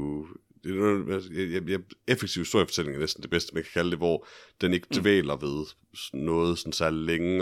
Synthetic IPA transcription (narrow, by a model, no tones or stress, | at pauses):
d̥e̝nɔæjjjæefeɡ̥t͡sʰiʊisd̥oɐ̰ifɒ̽t͡sʰe̝l̰e̝ŋɐnesd̥n̩d̥e̝b̥esd̥əmænkʰæ̥kʰæləd̥e̝ʋɒ̰d̥ene̝ɡ̥əd̥ʋɛ̰ːlɐʋe̝ð̞ˠ | nɔ̽ːð̞̩ˠsɒ̽nsæɐ̰lileŋə